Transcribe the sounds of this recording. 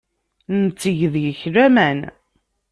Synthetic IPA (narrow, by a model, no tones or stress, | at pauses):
nt͡sːəʝəðʝəçɾæmæn